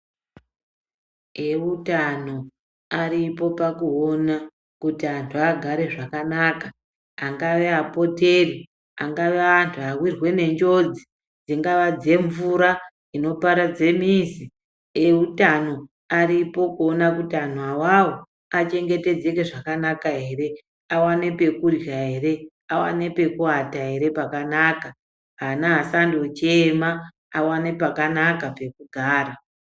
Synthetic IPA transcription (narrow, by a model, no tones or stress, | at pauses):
eutano̞ | aɾipo̞pakuona | kutiantʰuaɡʱaɾe̞ʐakanaːkaː | ŋɡaʋe̞apo̞te̞ri | aŋɡaʋeantʰuawirwe̞ne̞ɲd͡ʒo̞d͡zi | d͡ziŋɡaʋad͡ze̞ɱvuɾa | ino̞paɾad͡ze̞mizi | eutano̞ | aɾipo̞kuonakutian̤awawo | at͡ʃe̞ŋɡe̞te̞d͡ze̞ke̞ʐakanakaɦe̞ːre̞ | awane̞pe̞kurjaɦe̞re̞ | awa̰ne̞pe̞kuataɦe̞ɾe̞pakanaka | ɦanaɦasandot͡ʃema | awanepakanakape̞kuɡʱaːɾa